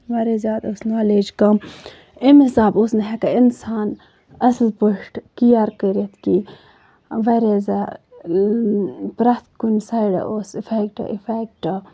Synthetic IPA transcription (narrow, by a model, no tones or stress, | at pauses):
ʋɐɾezjaːd̪osnaːleːd͡ʒkɐm | imisaːbosnɐɦekɐinsaːn | ɐslpoʂʈkijaɾkəɾet̪ʰki | ʋɐɾeza | pɾɐt̪kunsajɖɐ̰ʔosifekʈɐ̰ʔifekʈɐ